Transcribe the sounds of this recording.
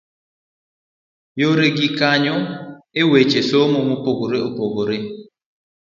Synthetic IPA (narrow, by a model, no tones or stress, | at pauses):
joɾeɡikaɲɔewet͡ʃesomomupoɡoɾeopoɡoɾe